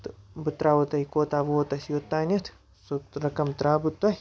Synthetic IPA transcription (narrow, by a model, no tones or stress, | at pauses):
t̪bɨt̪ɾaːʋot̪ɐikoːt̪aːʋot̪ɐsjot̪ːaːnʲɐt̪ʰ | suɾɐkɐmt̪ɾaːbɨt̪ːɐɦi